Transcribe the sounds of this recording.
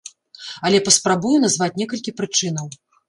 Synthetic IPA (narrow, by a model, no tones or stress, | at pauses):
ɐlʲɛpɐspɾabujun̪azvat͡sʲnʲɛkɐlʲkʲipɾɨt͡ʂɨn̪ɐw